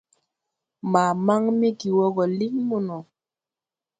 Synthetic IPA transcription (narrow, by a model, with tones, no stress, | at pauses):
maː˨ma˦ŋmi˦ɡi˨wɔ˦ɡɔ˨li˦ŋmu˦˨nɔ˨